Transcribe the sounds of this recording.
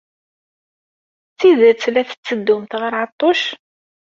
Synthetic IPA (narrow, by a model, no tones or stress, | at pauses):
t͡sːiðəɾt͡sːlæθə̥t͡sːəd̪ːumθʁəɾˤʕɑt̪ˤːoʃ